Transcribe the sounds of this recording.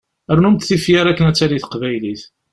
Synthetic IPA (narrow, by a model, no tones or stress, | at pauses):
əɾnumt̪θifjaɾækːənæt͡sːaɾiθə̥qvæjliθ